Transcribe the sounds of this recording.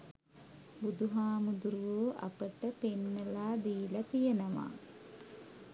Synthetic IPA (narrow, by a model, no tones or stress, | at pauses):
bud̪uɦaːmud̪uɾuʋoːʔa̰pəʈəpenːəlaːd̪iːlat̪ijənəʋa̰ː